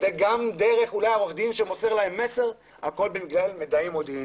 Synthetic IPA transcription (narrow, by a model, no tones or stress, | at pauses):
eɡamd̪e̞ʁe̞χulajaoχd̪imʃemo̞se̞ʁlahe̞mːe̞se̞ʁ | hako̞lbemiɡlalmed̪aimo̞d̪iim